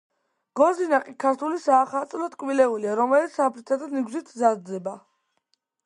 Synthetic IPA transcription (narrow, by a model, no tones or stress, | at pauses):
ɡ̥ɔzinaqʼikʰaɾt̪ʰulisaːχat̪sʼlɔt̪ʼkʼwilɛuliaɾɔmɛlit̪sapʰɾit̪ʰad̪aniɡzit̪ʰzazzɛba